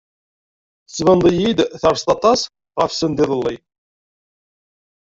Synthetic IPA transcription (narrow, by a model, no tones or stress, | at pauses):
svənd̪əjid̪θɑɾst̪ɑt̪ˤɑs | ʁɑfsənd̪iðəlːij